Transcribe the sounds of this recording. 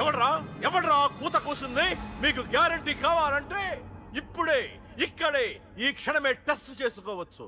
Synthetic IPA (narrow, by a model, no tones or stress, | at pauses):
ɛʋɐɳɾaːɛʋɐɽɾaːkuːt̪ɐkoːsund̪eːmiːk̬uɡjaːɾɐɳʈikaːʋaːlɐɳʈeːipːuɽeː | ikːɐɽeː | iːkʂɐɳɐme̞ːʈesʈt͡ʃeːsukɔːʋɐt͡ʃːṵ